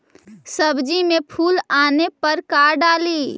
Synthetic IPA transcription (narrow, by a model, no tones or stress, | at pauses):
səbd͡ʒimẽpʰuːlaːnepəɾkaːɾɖaːli